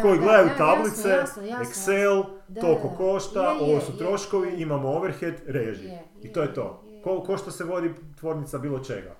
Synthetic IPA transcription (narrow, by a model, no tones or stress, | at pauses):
ko̞iɡle̞d̪ajut̪ablit̪seekselt̪o̞koko̞ʃt̪aʔo̞ʋosut̪ɾo̞ʃko̞ʋiimamooʋeɾxet̪ɾeʒi | it̪o̞ːjet̪o̞̰ | koko̞ʃt̪aseʋo̞d̪it̪ʋoɾnit̪sabiːlˠot͡ʃe̞̰ɡa̰